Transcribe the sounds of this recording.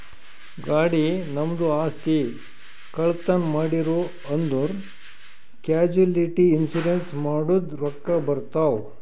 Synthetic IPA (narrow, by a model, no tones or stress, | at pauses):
ɡaːɽinɐmd̪uaːst̪i | kɐɭt̪ɐnmaːɽiɾo | ɐnd̪uɾ | kjaːd͡ʒuliʈiːnsuɾensmaːɽud̪ɾɔkːɐbɐɾt̪aːw